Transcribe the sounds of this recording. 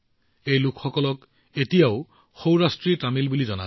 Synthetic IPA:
ejlʊkʰxɔkɔlɔk | etijaʊ | xowɹastɹitamilbulizɔna̰

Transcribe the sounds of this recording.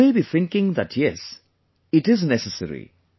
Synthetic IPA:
ebiθɪ̃ŋkɪ̃ŋd̪æʈʰjɛs | ɪʈɪznɛsəsəɾḭ

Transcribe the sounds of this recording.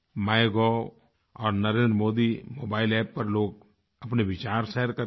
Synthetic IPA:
maːjɡɔː | ɔːɾnɐɾẽːnd̪ɾəmoːd̪imoːbaːɪlɛːpːɐɾloːɡ̚ | ɐpneʋɪt͡ʃaːɾʃɛɦəɾkɐ

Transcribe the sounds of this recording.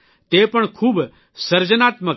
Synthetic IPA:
t̪eːpəɳkʰuːb | səɾd͡ʒənaːt̪mək

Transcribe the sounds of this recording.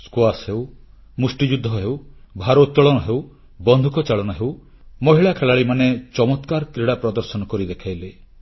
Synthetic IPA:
skuasɦew | musʈid͡ʒud̪ʱːɔɦewbʱaɾot̪ːɔɭɔnɔɦew | bɔnd̪ʱukɔt͡ʃaɭɔnɔɦew | mɔɦiɭakʰelaɭimanet͡ʃɔmɔt̪kaɾkɾiɽapɾɔd̪ɔɾsɔnɔkɔɾid̪ekʰajle

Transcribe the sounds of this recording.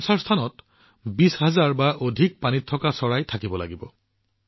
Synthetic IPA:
saɹst̪ʰanɔt | bisɦazaɹbaʔodʱik̚panitʰɔkasɔɹajtʰakibɔla̰ɡibɔ

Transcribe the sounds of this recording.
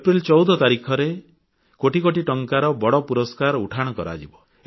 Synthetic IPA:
epɾilt͡ʃɔwd̪ʱɔt̪aɾikʰɔɾe | koʈikoʈiʈɔŋkaɾɔbɔɽɔpuɾɔskaɾuʈʰaɽ̃ɔkɔɾa̰d͡ʒibɔ

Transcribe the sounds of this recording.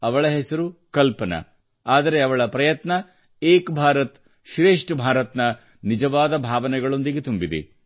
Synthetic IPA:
ɐʋɐɭɐɦesɐɾukɐlpɐnɐ̰ | aːd̪ɐɾe̞ɐʋɐɭɐpɾɐjɐt̪nɐ | eːkbʱaːɾɐt̪ | ʃɾeːʂʈbʱaːɾɐt̪nɐ | nid͡ʒɐʋaːd̪ɐbʱaːʋɐnɛɡɐɭo̞nd̪iɡet̪umbid̪ḛ

